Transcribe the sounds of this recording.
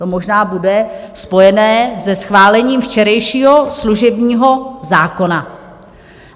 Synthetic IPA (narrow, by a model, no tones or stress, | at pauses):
t̪o̞mo̞ʒnaːbudɛspo̞jɛnɛːsɛsxvaːlɛɲiːmft͡ʃɛɾɛjʃiːɦo̞sluʒɛbɲiːɦo̞zaːko̞na